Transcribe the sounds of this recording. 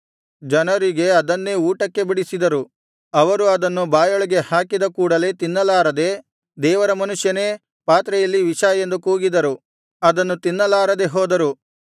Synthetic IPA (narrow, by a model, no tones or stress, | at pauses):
d͡ʒɐnɐɾiɡe̞ɐd̪ɐnːe̞ːuːʈɐkːe̞biɽisid̪ɐɾu | ɐʋɐɾuɐd̪ɐnːubaːjoɭiɡe̞haːkid̪ɐkuːɽɐle̞ːt̪inːɐlaːɾɐd̪e̞ | d̪ɛːʋɐɾɐmɐnuʂjɐne̞ː | paːt̪ɾɐjɐlːiʋiʂaːjend̪ukuːɡid̪ɐɾu | ɐd̪ɐnːut̪inːɐlaːɾɐd̪e̞ɦoːd̪ɐɾu